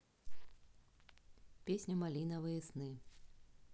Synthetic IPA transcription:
pʲesʲnʲumalʲinɐvɨjɐsnɨ

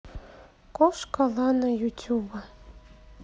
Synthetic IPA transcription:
koʃkɑlɑnɑjutʲuba

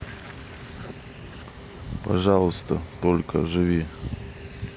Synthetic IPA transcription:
pɐʐɑlˠʊst̪ət̪olʲkə̰ʐɨvʲi

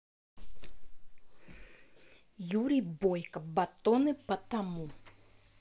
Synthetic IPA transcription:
juɾʲibɔjkɐbat̪ɔnɨpɐt̪amu

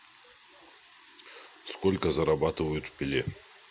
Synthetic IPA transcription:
skolʲkəzɐɾɐbat̪ɨvəjʊt̪fpʲɪlʲe

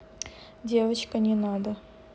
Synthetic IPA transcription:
dʲe̞vət͡ɕkənʲɪnad̪ə

